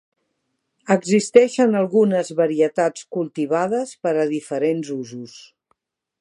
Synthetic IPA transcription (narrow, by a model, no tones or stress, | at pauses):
əɡzist̪ɛʃənəlˠɣunəzβəɾiət̪at͡skulˠt̪iβ̞að̞əspəɾəðifəɾenzuzus